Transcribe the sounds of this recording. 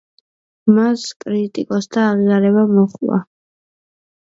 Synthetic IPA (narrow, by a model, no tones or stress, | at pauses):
maskʼɾit̪ʼikʼɔsd̪ʰaːʁiaɾɛβamɔχva̰